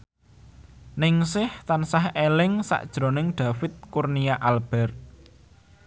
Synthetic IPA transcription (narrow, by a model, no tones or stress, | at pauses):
nɪŋsɪht̪ansahelɪŋsa̰ʔd̥ʒ̥ɾonɪŋɖ̪̥ä̤fɪt̪̚kurnijaʔalb̥ɛ̤r